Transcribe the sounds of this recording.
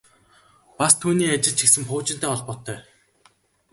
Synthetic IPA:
past̪ʰuːniːat͡ɕɪ̆ɮt͡ɕʰiksɘ̆mpʊːt͡ɕɪnt̪æːɔɮpɔt̪ʰːœː

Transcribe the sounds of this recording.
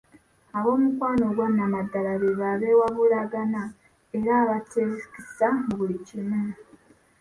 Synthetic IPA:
aβo̞ːmukwaːnoɡwaːnamadaɾaβeβaβewaβuɾaɡana | eɾaβatezkisaɡwecimu

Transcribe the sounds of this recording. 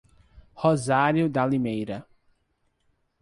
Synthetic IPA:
hozaɾjʊd̪alimejɾɐ

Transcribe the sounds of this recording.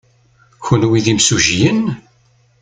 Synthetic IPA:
çənwiðimsuʒjən

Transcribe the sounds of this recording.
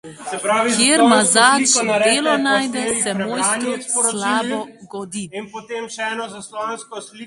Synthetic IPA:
sɛpɾakjeːɾmazaːd̪eːlɔnaːjd̪ɛsɛmoːjst̪ɾɔslaːbɔɡɔd̪iinpot̪eːmʃɛɛːnɔzaslɔanskɔsli

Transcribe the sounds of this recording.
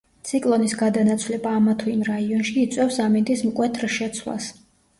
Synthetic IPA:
t̪sʰikʼlˠɔnisɡad̪anat̪sʰwlɛbaːmat̪ʰuimɾaiɔnʃiːt̪sʼwɛfsamind̪ʼismkʼwɛt̪ʰɾʃɛt̪sʰwla̰s

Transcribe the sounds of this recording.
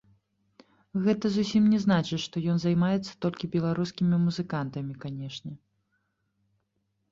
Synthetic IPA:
ɣɛt̪ɐzusʲimnʲɛznat͡ʂɨʂt̪ɔjɔnzajmajɛt̪sːɐ̥t̪ɔlʲkʲibʲɛlˠaɾuskʲimʲimuzɨkant̪ɐmʲikanʲɛʂnʲɛ

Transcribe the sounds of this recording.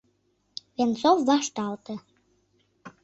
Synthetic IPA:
βent͡sowːɑʃt̪ɑlt̪ə̆

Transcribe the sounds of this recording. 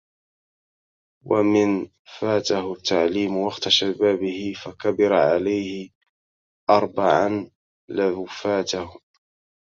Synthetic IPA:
wa̰mɪn | faːt̪aɦʊt̪ːaʕliːmwaqt̪aʃabaːbɪhɪfakabɪɾaʕalajhɪ | ʔɑɾˤbaʕan | lafaːt̪ahʊ

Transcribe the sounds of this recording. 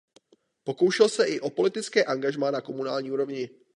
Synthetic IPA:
po̞ko̞wʃɛlsɛʔɪʔo̞po̞lɪt̪ɪt͡skɛːʔaŋɡaʒmaːnako̞munaːlɲiːuɾo̞vɲɪ

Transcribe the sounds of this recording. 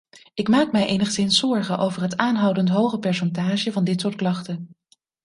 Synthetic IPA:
ɪkmaːkmɛjʔejnəχsɪnsɔɹχəʔowvəɹɦətaːnɦʌwdəntɦowχəpɛɹs̬ɛntaːʒəvɑndɪtsʊːɹtklɑχtən

